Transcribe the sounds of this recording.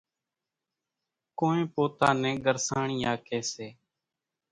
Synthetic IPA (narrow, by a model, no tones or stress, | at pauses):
koːẽːpoːt̪aːnɛ̃ːɡəɾsaːɳijaːkeːseː